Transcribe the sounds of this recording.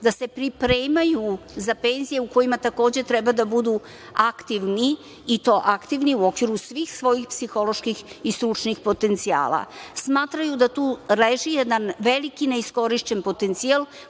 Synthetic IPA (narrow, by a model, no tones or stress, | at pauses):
d̪ase̞pɾipɾe̞ːmajuzape̞nzije̞uko̞jimat̪ako̞ːd͡ʑe̞t̪ɾɛbad̪abud̪u | akt̪iʋniː | t̪o̞ːʔakt̪iʋniuo̞kʋiɾusʋixsʋo̞jixpsixo̞lo̞ʃkixist̪ɾut͡ʂnixpo̞t̪e̞nt̪sia̰ːla̰smaːt̪ɾajud̪at̪uːleʒijɛd̪anʋe̞likine̞isko̞ɾiʃt͡ɕenpo̞t̪ent̪sial